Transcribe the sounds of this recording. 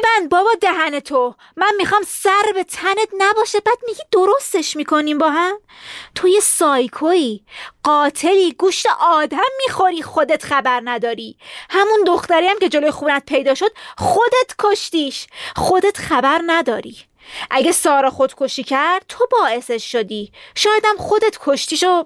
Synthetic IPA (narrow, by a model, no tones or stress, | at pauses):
ebænd̪̚bɒːbɒːd̪eɦænet̪ʰo | mænmixɒːmsæɾbe̞t̪ʰænet̪næbɒːʃæbæːd̪̥̚miɡiːd̪o̞ɾo̞st̪e̞ʃmiːkʰo̞niːmbɒːɦæm | t̪ʰoje̞sɒːjkʰoiːɢɒːt̪ʰe̞liːɡuːʃt̪eʔɒːd̪æmːiːxo̞ɾiːxod̪et̪χæbæɾnæd̪ɒːɾiːhæmund̪oxt̪æɾijæmce̞d͡ʒo̞lojexuːnæt̪̚pʰe̞jd̪ɒːʃo̞d̪̥̚xχod̪et̪ʰkʰoʃt̪iːʃxod̪e̞t̪χæbæɾnæd̪ɒːɾḭː | ʔæɟesɒːɾɒxod̪̥kʰoʃiːcʰæɾɾd̪̥̚t̪ʰo̞bɒːe̞seʃːod̪iːʃɒːjed̪æmχod̪e̞t̪kʰo̞ʃt̪iːʃo